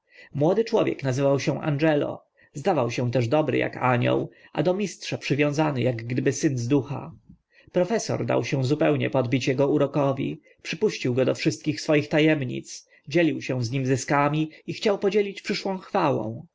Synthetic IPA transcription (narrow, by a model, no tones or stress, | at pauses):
mwɔd̪ɘt͡ʂwɔvʲjɛ̰knazɘvawɕɛ̃ʔa̰nʐɛlɔ̰ | zd̪avawɕɛ̃w̃t̪ɛʐd̪ɔbɾɘ̰ja̰kaɲɔ̰wʔa̰d̪ɔmʲistʂapʂɘvʲjɔ̃w̃zanɘjaɡɡd̪ɘbɘsɘnzd̪uxa̰ | pɾɔfɛsɔ̰ɾd̪a̰wɕɛ̃zupɛwɲɛ̰pɔd̪bʲit͡ɕjɛɡɔuɾɔkɔvʲḭ | pʂɘpuɕt͡ɕiwɡɔd̪ɔfʂɘst̪̚kʲixsfɔjixt̪ajɛmɲḭt̪s | d͡ʑelʲiwɕɛ̃zɲimzɘskamʲiixt͡ɕawpɔd͡ʑelʲit͡ɕpʂɘʂwɔ̃w̃xfawɔ̰̃w̃